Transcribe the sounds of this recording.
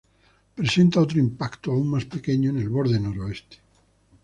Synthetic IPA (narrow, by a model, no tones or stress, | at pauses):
pɾese̞nt̪aot̪ɾoimpakt̪oauŋmaspekeɲoene̞lβo̞ɾðeno̞ɾoest̪e̥